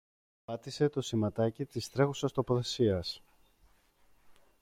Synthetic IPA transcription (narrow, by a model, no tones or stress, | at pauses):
pɐt̪ise̞t̪o̞simɐt̪ɐcit̪ist̪ɾe̞xusɐst̪o̞po̞θe̞siɐs